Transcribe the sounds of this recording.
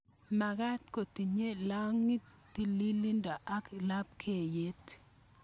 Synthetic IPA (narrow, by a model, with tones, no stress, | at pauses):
ma˨ɡa˦tko˨ti˨ɲe˦la˦ŋi˦ttːi˦li˦li˦nda˨ʔa˦kla˦p̚kʰe˦˨je˦t